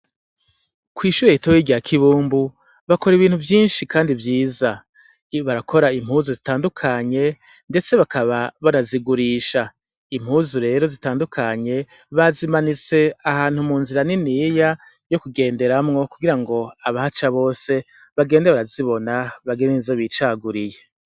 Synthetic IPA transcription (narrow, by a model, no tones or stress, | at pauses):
kwiːʃuɾeitojiːɡiakʰiβuːmbu | βako̞ɾiβiːnhuvjiːnʃikaːndivjiːza | βaɾakʰo̞ɾaim̥huːzuzitaːndukʰaɲe̞ | nde̞t͡se̞βakʰaβaβaɾaziɡuɾiʃa | im̥huːzuɾe̞ːɾo̞zitaːndukʰaɲe̞ | βazimanit͡se̞ahaːn̥humuːnziɾaninija | jo̞kuɡe̞ːnde̞ɾamŋo̞kuɡiɾaŋɡo̞aβahat͡ʃaβo̞ːse̞ | βaɡe̞ːndeβaɾaziβo̞naβaɡendenizoβiːt͡ʃaɡuɾije̞